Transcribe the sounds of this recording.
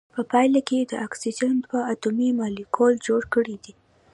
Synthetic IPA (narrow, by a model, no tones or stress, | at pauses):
pəpɑjlaked̪əʔaksid͡ʒant̪pəat̪umimɑlikʰold͡ʒoɽkəɽid̪i